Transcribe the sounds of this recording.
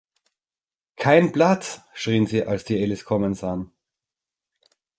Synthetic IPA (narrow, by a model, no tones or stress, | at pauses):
kʰaɪnplat͡sʃʁ̥iːənziːʔalsd̥iːelɪskʰɔmənzaːən